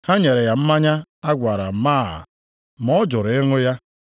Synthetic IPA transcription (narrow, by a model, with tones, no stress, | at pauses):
ha˦ɲe˨ɾe˨ja˨m̩˦ma˦ɲa˦a˦ɡʷa˨ɾa˨m̩˨˦maː˦˨a̰˨ | mɔ˦d͡ʒʊ˨ɾe˦ŋʊ˦ja˦